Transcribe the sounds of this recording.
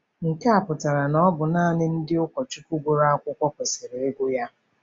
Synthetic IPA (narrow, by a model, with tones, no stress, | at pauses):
ŋ̩˨ka˦a˨pʊ˨ta˨ɾa˨nɔ˦bʊ˨naː˦a˨nɪ˦n̩˦dɪ˦ʊ˦kʷɔ˨t͡ʃu˦ku˦ɡʷʊ˦ɾa˦a˦kʷʊ˦kʷɔ˦kʷe˨sɪ˨ɾe˨e˦ɡʷʊ˦ja˦